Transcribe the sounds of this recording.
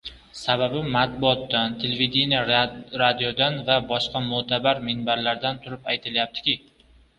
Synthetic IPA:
sababɪmat̪̚bʊɒt̪ːant̪ʰelevid̪inʲijaɾad̪ijod̪anvabɒʃqɑmʊt̪ʰabaɾmɪnbaɾlaɾd̪ant̪ʰʊɾɪpajt̪ʰɪljap̚t̪ʰɪ̥kʲɪ

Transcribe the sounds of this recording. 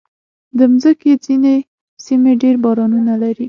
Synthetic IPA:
d̪əmzəked͡zine | simeɖeɾbɑɾɑnunalaɾi

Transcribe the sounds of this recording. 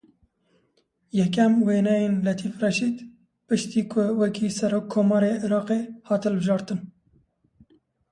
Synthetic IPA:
jɛk̬ɛmweːnɛjeːnlɛt̪ʰiːfrɛʃiːd̪ | pɨʃt̪iːkʰʊwɛkʰiːsɛɾoːkʰːoːmɑːɾeːʔɪɾɑːqehɑːt̪ɨlbɨʒɑːɾt̪ɨn

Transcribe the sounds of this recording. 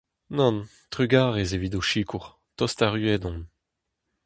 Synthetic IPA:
nɔ̃n | t̪ʁyɡaːʁezevidoʃiːkʰuʁ | t̪ɔst̪aʁyɛdɔ̃n

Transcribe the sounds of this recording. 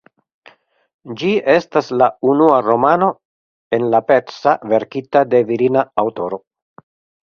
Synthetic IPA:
d͡ʒie̞staslaunuaɾo̞mano̞ | e̞nlapetsave̞ɾkitade̞viɾinaawto̞ɾo̞

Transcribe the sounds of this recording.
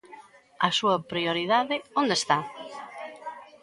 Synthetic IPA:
ɐsuɐpɾioɾiðaðɪõnd̪est̪a

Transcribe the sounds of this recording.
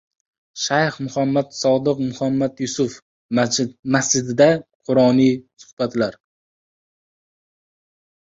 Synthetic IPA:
ʃajhmʊhamːat̪sɒd̪ɨqmʊhamːat̪jʊsʊf | masd͡ʒɪd̪ɪd̪aqʰʊɾɒnijsʊ̥hb̥at̪laɾ

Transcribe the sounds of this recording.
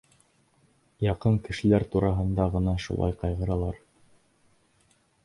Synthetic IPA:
jɑqɤŋkɘ̆ʃɘ̆læɾt̪uɾʔɑɦɤ̆nd̪ɑʁɤ̆nɑʃṵlˠɑ̰jqɑjʁɤ̆ɾɑlˠɑɾ

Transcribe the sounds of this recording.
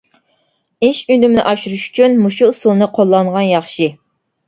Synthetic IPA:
ɪʃynymnɪ̰ʔɑʃuɾuʃy̥t͡ʃʰynmuʃusulˠnɨqʰolˠːɑɴʁɑnjɑχʃi

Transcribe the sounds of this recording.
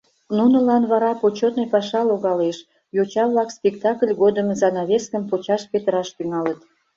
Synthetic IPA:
nunəlɑnβɑɾɑpot͡ɕot̪nojpɑʃɑloɣɑleʃ | jot͡ɕɑβlɑkspʲekt̪ɑkəlʲɣod̪əmzɑnɑβʲeskəmpot͡ɕɑʃpet̪əɾɑʃt̪yŋɑlət̪

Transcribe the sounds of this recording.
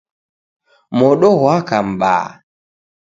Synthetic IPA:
mɔɗɔɣwakam̩ɓa̰ː

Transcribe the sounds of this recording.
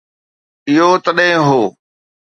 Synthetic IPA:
ɪɦoːt̪ɐɗɦɪ̃ɦoː

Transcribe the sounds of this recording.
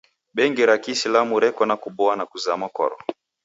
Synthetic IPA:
ɓɛŋɡiɾakisilamuɾɛkɔnakuɓɔanakuzamakɔ̰ɾɔ

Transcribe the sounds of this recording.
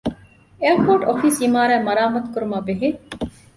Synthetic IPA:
eɐɾpoːʈofiːsimaːɾæːmɐɾaːmɐt̪kuɾumaːbeɦi

